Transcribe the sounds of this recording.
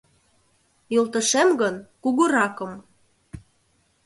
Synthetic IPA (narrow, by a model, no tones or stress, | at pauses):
jolt̪ə̆ʃemɡənkuɣuɾɑkə̆m